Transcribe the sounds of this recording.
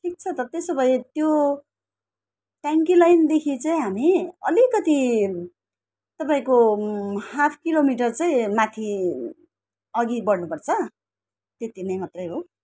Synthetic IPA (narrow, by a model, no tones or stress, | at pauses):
ʈʰik̚t͡sʰʌt̪ʌt̪esʌbʌjt̪jo | ʈaŋkilajnd̪ekʰit͡saĩɦamiʌlikʌt̪i | t̪ʌpaĩko | hapʰkilomiʈʌrt͡saĩmãt̪ʰi | ʌɡibʌɽnupʌrt͡sʰʌ | t̪et̪inʌjmat̪rʌjɦo